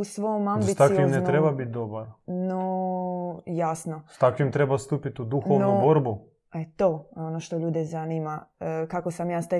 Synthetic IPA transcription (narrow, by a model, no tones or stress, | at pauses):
usʋojomambit̪akiimnent̪ɾebabit̪̚d̪obaɾno | jasnostt̪akʋimt̪ɾebast̪upit̪ud̪uxoʋnonuboɾbu | et̪oonoʃt̪oʎuːd̪ezanimakakosamjaːst̪a